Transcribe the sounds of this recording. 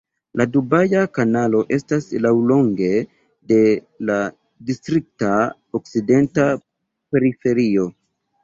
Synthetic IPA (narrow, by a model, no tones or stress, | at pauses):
ladubajakanalo̞ʔe̞staslawlo̞ŋɡe̞ | de̞ | la | distɾik̚ta | okside̞nta | pe̞ɾife̞ɾio̞